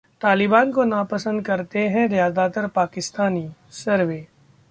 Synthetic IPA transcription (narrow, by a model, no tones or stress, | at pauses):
t̪aːlɪbaːnkonapɐsə̃nd̪̚kɐɾt̪eɦɛ̃ɾjaːd̪aːt̪əɾpaːkɪst̪aːniːsɐɾʋeː